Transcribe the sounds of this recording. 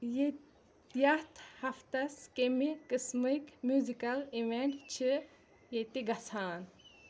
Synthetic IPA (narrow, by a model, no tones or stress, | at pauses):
j | jɐt̪ʰhɐft̪ɐskemikɨsmɨkmjuzikɐliʋeɳʈt͡ʃʰɨ | jet̪iɡɐsʰaːn